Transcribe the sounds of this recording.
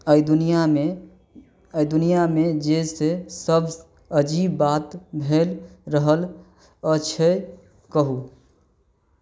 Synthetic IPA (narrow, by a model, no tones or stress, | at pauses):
əjd̪nijame | əjd̪unijamed͡ʒesesəbʱ | əd͡ʒibːat̪bʱelɾəɦəl | ət͡ʃʰe | kəɦu